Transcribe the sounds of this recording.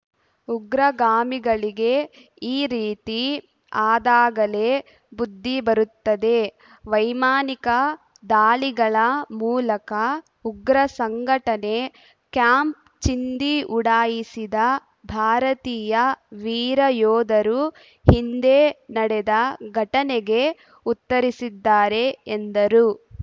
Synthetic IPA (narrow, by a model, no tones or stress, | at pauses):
uɡɾɐɡaːmiɡɐɭiɡe̞ | iːɾiːt̪i | aːd̪aːɡɐle̞ | bud̪ʱːibɐɾut̪ːɐd̪e̞ | ʋɐjmaːnikɐ | d̪aːliɡɐɭɐmuːlɐkɐ | uɡɾɐsɐŋɡʱɐʈɐne̞ | kjaːmp̚ | t͡ʃind̪iʔuɽaːjisid̪ɐ | bʱaːɾɐt̪iːjɐʋiːɾɐjɔːd̪ɐɾu | hind̪enɐɽɛd̪ɐɡʱɐʈɐneɡe̞ | ut̪ːɐɾisid̪ːaːɾe̞ːnd̪ɐɾu